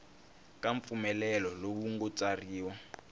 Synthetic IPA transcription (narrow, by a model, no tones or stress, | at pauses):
kaɱp̪fumɛlɛlɔlok̬uŋɡɔt͡sariːwa